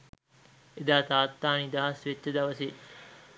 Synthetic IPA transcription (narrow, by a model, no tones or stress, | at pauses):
ed̪aːt̪aːt̪ːaːnid̪aɦɐsʋet͡ʃːəd̪ɐʋɐse